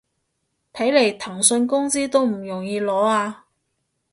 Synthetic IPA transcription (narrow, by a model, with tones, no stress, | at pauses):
t̪ʰɐ˨˥jle˨˩jt̪ʰɐ˨˩ŋsɵ˧nkʊ˥ŋsiː˥t̪o˥wm̩˨˩jʊ˨˩ŋjiː˧lɔː˨˥aː˧